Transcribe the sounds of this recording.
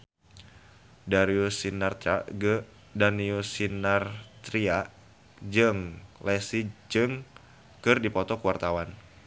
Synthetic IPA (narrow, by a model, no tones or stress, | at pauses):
daɾiusinart̪a | daniusinart̪ɾiaʔ | d͡ʒɨŋlɛsid͡ʒɨŋ | kɨrdipɔt̪ɔkuwart̪awan